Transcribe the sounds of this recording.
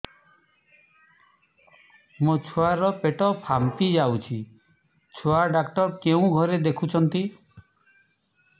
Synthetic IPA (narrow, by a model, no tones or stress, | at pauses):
mot͡ʃʰoaɾɔpeʈɔpʰamt̪id͡ʒawt͡ʃʰi | t͡ʃʰuaɖakʈɔɾkeũɡʱɔɾed̪ekʰut͡ʃʰɔnt̪i